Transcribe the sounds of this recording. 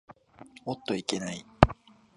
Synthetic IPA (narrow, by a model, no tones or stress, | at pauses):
ot̪ːo̞ike̞nai